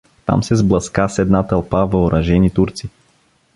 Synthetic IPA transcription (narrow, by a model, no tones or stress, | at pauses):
t̪a̰msɛzblˠɐskasɛd̪nat̪ɐlˠpavɐoɾʔɐʒɛnit̪uɾt̪si